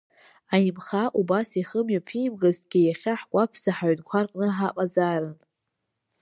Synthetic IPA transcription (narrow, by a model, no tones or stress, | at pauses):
ajimχaʔubasiχəmjapʰimɡaztʼɡʲɪjaχʲaħkʷʼapʰzaħaɥnkʷʰarqʼnɨħaqʼazarɨn